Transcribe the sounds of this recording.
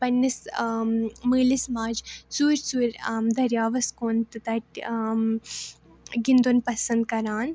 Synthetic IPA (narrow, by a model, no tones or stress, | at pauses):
pɐnːɐs | mɨːlismaːd͡ʒsuːɾsuːɾʲmd̪ɐɾjaːʋɐskoːnt̪ɨt̪ɐʈ | ɡind̪onpɐsɐnd̪kɐɾaːn